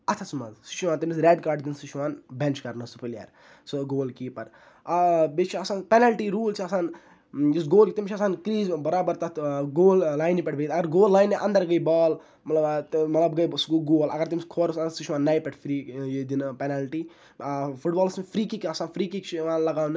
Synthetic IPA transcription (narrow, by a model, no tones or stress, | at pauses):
ɐt̪ʰɐsumɐ̰zsi̥ʃʰuʋaːnt̪imisɾeːɖkaːɾɖd̪insiʃʰʋaːnbʲent͡ʃkɐɾnɨsupɐlja̰ːɾ | soɡoːlkipɐɾ | bet͡ʃʰiɐsaːnpenalʈiːɾuːlt͡ʃʰiɐsaːn | jis̬ɡoːlkit̪imt͡ʃʰɐsaːnkɾiːzbɐɾaːbɐɾt̪ɐt̪ɡoːllaːjnipɐʈbet̪ɐɡɐɾɡoːlːaːjnːiʔɐnd̪ɐɾɡɐjbɔːl | mɐt̪lɐb̪mɐt̪lɐbɡɐjsɡuɡoːlɐ̰ɡɐɾt̪imʲskʰoːɾsɐsiʃʰuʋaːnːaːjpʲɛʈʰfɾiːjed̪inpenaːlʈiː | fʰuʈbaːlsmefʰɾiːkikiɐsaːnfʰɾiːkikt͡ʃʰiʋaːnlɐɡaːwnɨ